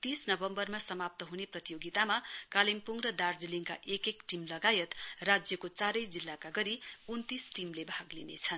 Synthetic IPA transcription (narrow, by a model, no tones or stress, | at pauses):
t̪isnʌbʌmbʌrmasʌmap̚t̪ʌɦuneprʌt̪ijoɡit̪amakalimpuŋrʌd̪ard͡zuliŋka̰ʔekekʈimlʌɡajʌt̪rad͡zjʌkot͡saɾʌjd͡zilːakaɡʌɾiunt̪isʈimlebʱaɡlinḛt͡sʰʌn